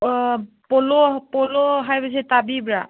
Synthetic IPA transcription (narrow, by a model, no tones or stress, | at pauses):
polopɔloɦajbasɛtabibɹa